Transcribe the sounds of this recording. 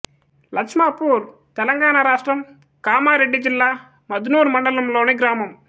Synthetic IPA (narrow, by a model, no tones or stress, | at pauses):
lɐkʂmaːpuːɾ | t̪ɛlɐŋɡaːnaɾaːʂʈɾɐm | kaːmaːɾeɖːid͡ʒilːaː | mɐd̪unuːɾumɐɳɖɐlɐmlo̞ːneɡɾaːmɐm